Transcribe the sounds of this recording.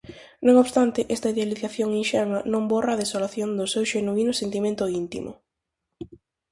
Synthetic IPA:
nõŋoβst̪ant̪ɪʔɛst̪ɐiðealiθaθjoŋinʃɛlmɐnõmborɐːðesolaθjond̪ʊsewʃenuinʊsent̪imẽnt̪ʊint̪ḭmʊ̰

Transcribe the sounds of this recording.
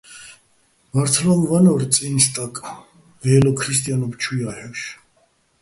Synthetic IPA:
vaɾt̪ʰlamvanɔɾt͡sʼinst̪ʼakʼ | vɛɛlɔkʰɾist̪ʼjanɔbt͡ʃʰujahɛʃ

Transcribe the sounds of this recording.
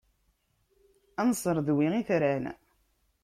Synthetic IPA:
ænsˤəɾˤðwiʁiθɾæn

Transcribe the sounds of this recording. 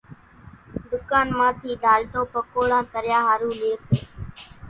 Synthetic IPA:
d̪ʊkaːnmãːt̪ʰiːɖaːlt̪oːpəkoːɽãːkəɾjãːɦaːɾũːleːseː

